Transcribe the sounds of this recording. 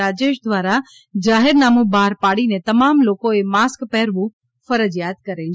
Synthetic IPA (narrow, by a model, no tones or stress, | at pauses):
ad͡ʒeʃd̪ʋaːɾa | d͡ʒaːɦɪɾnaːmũbaːɾpaːɽinet̪ɐmamlokoemaːskpɛɦɾʋũ | fəɾəd͡ʒjaːt̪̚kəɾel